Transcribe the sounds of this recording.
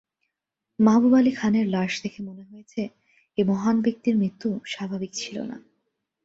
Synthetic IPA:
mabubalikʰaneɾlaʃt̪ʰekʰemoneɦojet͡ɕʰe | emɔɦanbek̚t̪iɾmɾit̪ːuʃabʱabikt͡ɕʰilo̰na̰

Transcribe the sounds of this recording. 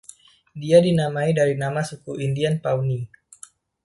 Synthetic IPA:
diadinamaidaɾinamasukuʔindianpauni

